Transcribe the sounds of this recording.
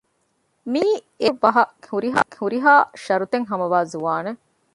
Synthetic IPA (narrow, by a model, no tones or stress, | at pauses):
miː | eʋːɐɦɐhuɾiɦa̰ːhuɾiɦaːʃɐɾut̪eŋɦɐmɐʋaːzuʋaːne